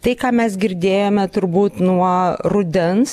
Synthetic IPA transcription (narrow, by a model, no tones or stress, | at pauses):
t̪ɐɪkɑːmʲɛs̬ɡʲɪɾʲd̪ʲeːjoːmʲɛt̪ʊɾbuːt̪nuɔɾʊd̪ʲɛns